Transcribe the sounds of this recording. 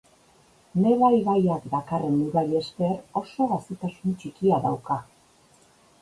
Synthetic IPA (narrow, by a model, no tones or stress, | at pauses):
ne̞βajβajakd̪akare̞nːuɾaʎe̞ske̞ro̞so̞ɣasit̪asunt͡ʃikiaðawka